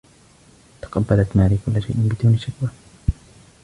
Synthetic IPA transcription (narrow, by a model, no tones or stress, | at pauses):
t̪ɑ̥qɑbːalat̪maːɾiːkʊlːaʃajʔɪnbɪd̪uːnɪʃakwaː